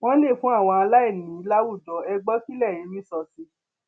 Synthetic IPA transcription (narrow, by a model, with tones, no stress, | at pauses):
w̃ɔ̃˦le˦˨fũ˦a˦˨w̃ɔ̃˧a˧la˦ɛ˦˨nĩ˨i˨˧˦la˦wu˦˨dɔ˨˦ɛ˧ɡ͡bɔ˦ki˦lɛ˦˨ji˨˦mĩ˦sɔ˧si˧˦